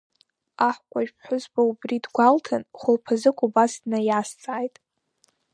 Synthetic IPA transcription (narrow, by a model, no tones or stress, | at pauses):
aħʷkʷʼaʒpʰħʷʊzbaubridɡʷaltʰanχʷʊlpʰazɨkʷʼubasdnajast͡sʼaːjtʼ